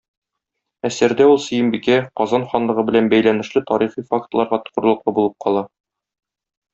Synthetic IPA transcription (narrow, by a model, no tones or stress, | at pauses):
æsɘɾd̪æulˠsɘ̆jɘ̆mbikæqɒzɑnχɒnlˠɤ̆ʁɤbɘ̆lænbæjlænɘ̆ʃlɘt̪ɒɾiχifak̚t̪lˠɑɾʁɑt̪ɤ̥̆qɤ̆ɾlˠɤ̆q̚lˠɤbulˠɤp̚qʰɒlˠɑ